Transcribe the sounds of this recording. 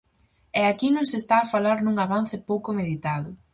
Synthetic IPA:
ɛakinõŋsest̪aːfalaɾnuŋaβan̟θɪpowkʊmeðit̪aðʊ

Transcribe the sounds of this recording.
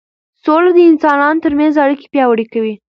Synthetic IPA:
solad̪əɪnsɑnɑnot̪əɾmanzaɽike̥pjɑwaɽikawi

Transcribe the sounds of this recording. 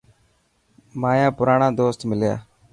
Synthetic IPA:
maːjãːpʊɾaːɳãːd̪oːst̪mɪlja̰ː

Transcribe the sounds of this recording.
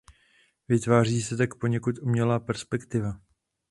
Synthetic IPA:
vɪt̪vaːr̝iːsɛt̪akpo̞ɲɛkut̪umɲɛlaːpɛɾspɛkt̪ɪva

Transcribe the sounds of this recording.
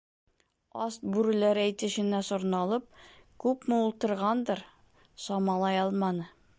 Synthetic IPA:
ɑst̪̚bʉɾɘ̆læɾæjt̪ɘ̆ʃɘ̆næsŏɾnɑlˠɤp̚kʉpmɘulˠt̪ɤ̆ɾʁɑnd̪ɤɾ | sɒmɑlˠɑjɑlˠmɑnɤ

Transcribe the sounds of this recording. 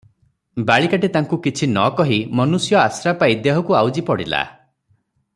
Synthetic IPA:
baɭikaʈet̪aŋkukit͡ʃʰinɔkɔɦimɔnusjɔasɾapaid̪eɦɔkuawd͡ʒipɔɽḭla̰

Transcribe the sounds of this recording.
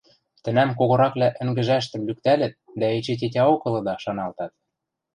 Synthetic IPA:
t̪ɘ̆næmk̬oɣŏɾɑklæʔɘ̆ŋɡɘ̆ʒæʃt̪ɘ̆mlykt̪ælɘ̆t̪̚d̪æet͡ɕet̬ʲetʲɑokɤ̆lɤ̆d̪ɑʃɑnɑlt̪ɑt̪̚

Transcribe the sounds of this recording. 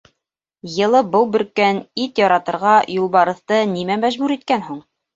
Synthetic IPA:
jɤ̆lˠɤbɤlˠbɵ̆ɾkænit̪jɒɾɑt̪ɤ̆ɾʁɑjulˠbɑɾɤ̆θt̪ɤnimæmæʒbʉɾit̪̚kænɦuɴ

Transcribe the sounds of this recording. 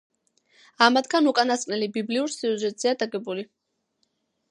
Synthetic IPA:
amad̪ʰɡanukʼanaskʼnɛlibibliuɾsiuʒɛt̪ʼz̥ɛad̪aɡɛbuli

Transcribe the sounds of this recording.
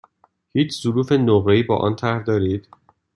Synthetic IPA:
hiːt͡ʃʰz̥oɾuːfenoɣɾeiːbɒ̰ːʔɒ̰ːnt̪ʰæɾd̪ɒːɾiːd̪̥

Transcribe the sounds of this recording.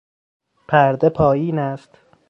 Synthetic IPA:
pʰæɾd̪epʰɒːjiːnæst̪

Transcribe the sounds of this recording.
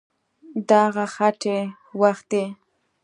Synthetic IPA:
d̪aɣaxaʈʰe | waxt̪̚d̪e

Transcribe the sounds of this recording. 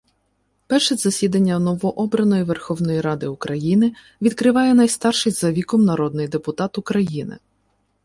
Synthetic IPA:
pɛrʃɛzɐsʲid̪ɐnʲːɐnɔʋɔʔɔbɾɐnɔjiʋɛrxɔwnɔjiɾɑd̪ɪʊkɾɐjinɪ | ʋʲid̪̚kɾɪʋɑjɛnɐjst̪ɑrʃɪjzɐʋʲikɔmnɐɾɔd̪̚nɪjd̪epʊt̪ɑt̪ʊkɾɐjinɪ̰

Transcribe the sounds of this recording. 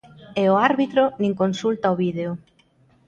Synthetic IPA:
eoaɾβit̪ɾʊnĩŋkonsult̪aoβiðeo

